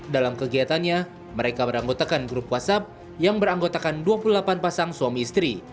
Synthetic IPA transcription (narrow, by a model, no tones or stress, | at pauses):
dalamkəɡiat̪anɲa | məɾekabəɾaŋɡot̪akanɡɾupwasap̚ | jaŋbəɾaŋɡot̪akanduapululapanpasaŋsuamiːst̪ɾi